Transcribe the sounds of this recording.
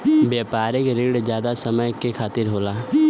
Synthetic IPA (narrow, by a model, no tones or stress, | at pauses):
bjaːpaːɾɪkɾiːɽzjaːd̪asəməjkekʰaːt̪ɪɾɦoːlaː